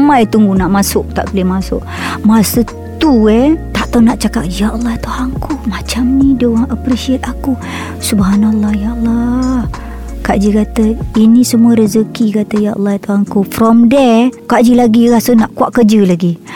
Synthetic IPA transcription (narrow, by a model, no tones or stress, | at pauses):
majt̪uŋɡunaʔmasʊʔ̚t̪a̰ʔbilɪhmasʊʔ | masə | t̪uɛt̪aʔt̪awnaʔt͡ʃakap̚jaʔəlːahit̪uhaŋkumat͡ʃamnĩdowaŋʔapɾeʃiət̪̚aku | subɦanalːajaʔlːa | kaʔd͡ʒikat̪əinisəmuəɾəzəkikat̪əjaʔɔ̰lːɑit̪uaŋkufɾɔmdɛkaʔd͡ʒilaɡiɾasənaʔkuaʔkəd͡ʒəlaɡi